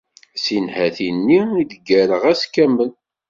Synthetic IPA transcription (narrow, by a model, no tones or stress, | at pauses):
sinhæθinːiiðəɡæɾəʁæskːæmːən